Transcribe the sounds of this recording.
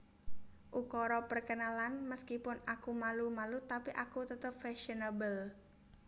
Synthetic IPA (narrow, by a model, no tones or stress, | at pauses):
ʔukɔɾɔpərkənalanməskipʊnakumalumalut̪apiʔakut̪ət̪əp̚fɛʃənabəl